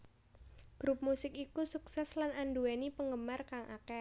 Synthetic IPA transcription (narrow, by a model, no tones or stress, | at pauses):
ɡ̥ɾup̚musɪk̚ikusuksɛslanʔanduwenipəŋɡəmarkaŋʔa̰kɛ